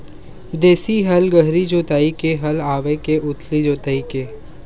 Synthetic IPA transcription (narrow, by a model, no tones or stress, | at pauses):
d̪eːsiɦɐlɡɐɦɾid͡ʒoːt̪aːikeɦɐlaːʋekeʔʊt̪ʰlid͡ʒoːt̪aːikeː